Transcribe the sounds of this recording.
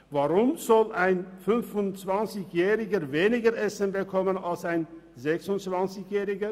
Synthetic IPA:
vaːʁʊmz̥ɔlaɪnfʏnfʊnt͡sv̥ant͡sɪçjɛːʁɪɡəveːnɪɡəʔɛsənbəkʰɔmənalsaɪn | zɛksʊnt͡sv̥ant͡sɪçjɛːʁɪɡə

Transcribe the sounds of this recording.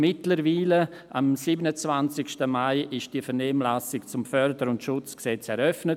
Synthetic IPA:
mɪtləɾviːlə | amsiːbənət͡svant͡sɪkʃtəmaɪʔɪʃd̥iːəfɛʁnɛːmlasɪkt͡sʊmfœɾdəɾʊntʃʊt͡sksɛt͡sɛɾœfnə

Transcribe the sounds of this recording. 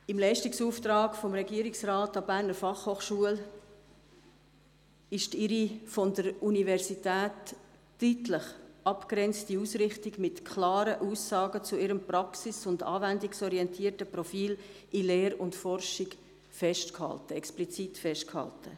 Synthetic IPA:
ɪmlɛɪʃtiksuːft̪ɾɑːɡfɔmɾɛɡiəɾiksraːtɑbæːɾnəɾfɑχhoːχʃuəl | ɪʃtɪɾifɔndəɾunivɛɾsitæːtː | yːtləχʔɑpkɾɛnt͡stiuːsɾɪχtiɡmɪtkʰlɑːɾəʔuːsːɑːɡət͡suɪɾəmprɑksɪsʊndɑ̰ːvændiksɔɾiɛntʰiːəɾtəprɔfiːlʔɪleːɾʊntfɔrʃɪɡ | fɛʃtkhɑ̰ltəɛksplit͡sitfɛʃtkhɑ̰ltʰə̰

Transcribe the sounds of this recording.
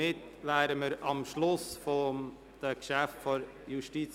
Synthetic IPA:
ɪtvæːɾəməɾɑmʃlʊsfɔ | d̪̥əkʃæftfɔɾ | juʃtiːt͡s

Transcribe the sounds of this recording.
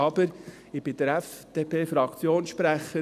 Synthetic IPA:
ɑb̥əɾ | ɪb̥ɪd̪əɾɛfd̥eːpʰeːfɾɑkt͡sjoːnsʃpɾæχə

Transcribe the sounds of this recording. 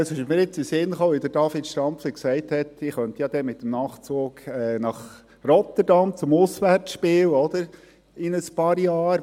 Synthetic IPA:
ɑsɪʃmiːɾjɪt͡sɪsɪnχoːʋid̪əɾd̥ɑfɪtʃtɾɑmpfliksɛɪthɛtɪχœnt̪əjɑd̥̪ɛmɪt̪ːəmnɑːχt͡soːkɛnɑχ | rɔt̪əɾd̥ɑmt͡sʊmʊsʋæɾsʃpɪːlɔd̪̥əɾ | ɪnəspɑːɾjɑːɾ

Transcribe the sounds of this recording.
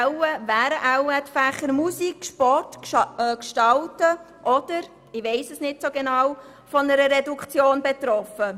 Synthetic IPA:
wəvæːɾəʔæwɛtfæχəɾmusikʃpɔrtkːkʃtɑltə | ʔɔd̥əɾ | ɪʋɛɪsəsnɪtsoɡenɑw | fɔnəɾəɾɛdukʰt͡sjoːnbɛt̪ɾɔfə

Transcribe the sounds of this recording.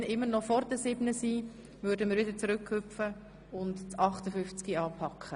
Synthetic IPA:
nʔɪmːənɔfɔɾdəsɪbnəsiː | vʏɾdəmɪːɾʋɪd̪əɾt͡sɾʏkʰhʏfə | ʊntt͡sɑχt̪əfʏft͡skiɑːpʰɑkʰχə

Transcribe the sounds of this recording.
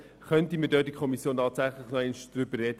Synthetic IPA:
χœntimədøːdikʰχɔmisjoːntɑːt̪sæχləχnɔɛnʃd̥ɾʏbərrɛdə

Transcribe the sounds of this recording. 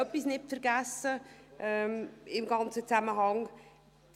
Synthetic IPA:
œpisnɪtfɛɾɡæsːəʔɛmɪmɡɑnt͡sət͡sæməɦɑŋ

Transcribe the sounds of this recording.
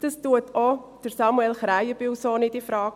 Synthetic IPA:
d̥ɑstuətʰod̥əɾsɑmuɛlχɾæjəb̥ɪwsoːnɪdifɾɑːɡ

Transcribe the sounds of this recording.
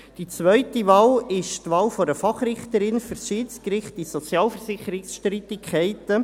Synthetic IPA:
d̥it͡sʋœʏtiʋɑːlɪʃtʋɑːlfɔdəfɑχrɪχtəɾɪnfyɾsʃiːtt͡skrɪχtisɔt͡sjɑːlfəɾsɪχəɾɪksʃtɾiːt̪ɪkʰɛɪtə

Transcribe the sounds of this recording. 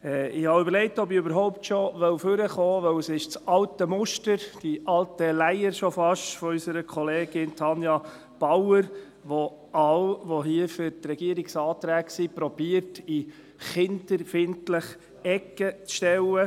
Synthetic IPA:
ɛːɪhɑʏbəɾlɛɪk̚tɔbiøbəɾɦɔʊptʃɔʋœwføɾəχoːʋœwsɪʃt͡sɑltəmʊʃtəɾd̥iʔɑltəlæɪəɾʃɔfɑʃtfɔysəɾəkʰχɔleːɡ̥ɪnt̪ʰɑnjɑ | b̥ɑwəɾ | ʋo | ɑwʋoɦiəfʏɾtrɛɡ̥iəɾiksɑːt̪ɾæːksipɾɔb̥iəɾti | χɪndəɾfɪntləχ | ɛkːət͡sʃtɛwə

